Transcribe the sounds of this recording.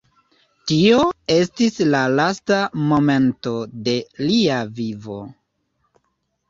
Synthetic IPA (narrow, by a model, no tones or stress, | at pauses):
tio̞e̞stislalastamo̞me̞nto̞de̞liavivo̞̰